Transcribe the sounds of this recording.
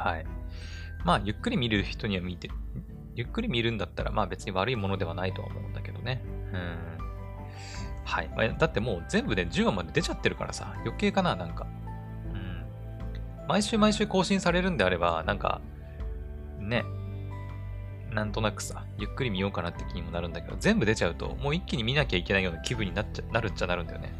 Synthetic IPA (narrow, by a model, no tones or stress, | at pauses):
haḭ | maːjɯ̟kːɯ̟ɾʲimʲiɾɯ̟çi̥t̪o̞ɲ̟iβamʲit̪e | jɯ̟kːɯɾʲimʲiɾɯ̟̃nd̪at̪ːaɾa̰maːbe̞t͡sɨɲ̟iβaɾɯ̟imo̞no̞d̪e̞β̞anait̪o̞a̰omʔo̞̰ɯ̟̃nd̪ake̞d̪o̞ne̞ɯ̟̃ɴ | haima̰jad̪at̪ːe̞mo̞ːzẽ̞mbɯ̟ne̞d͡ʑɨːɡamːad̪e̞d̪e̞t͡ɕat̪ːeɾɯ̟ka̰ɾa̰sa̰jo̞ke̞ːkananãŋka | ɯ̟̃ɴ | maiɕɨːmaiɕɨːko̞ːɕĩɰ̃saɾe̞ɾɯ̟̃nd̪eaɾe̞ba̰nãŋka̰ | ne̞ | nãnt̪o̞nakɯ̟̥sa | jɯ̟kːɯ̟ɾʲimʲijo̞ːkanat̪ːe̞kʲiɲ̟imo̞naɾɯ̟̃nd̪ake̞d̪o̞̰zẽ̞mbɯ̟d̪e̞t͡ɕaɯ̟t̪o̞̰mo̞ːikʲːiɲ̟imʲinakʲaikʲe̞naijo̞ːnakʲibɯ̟ɲ̟ːinat͡ɕnaɾɯ̟t͡ɕanaɾɯ̟nd̪ajo̰ne̞̰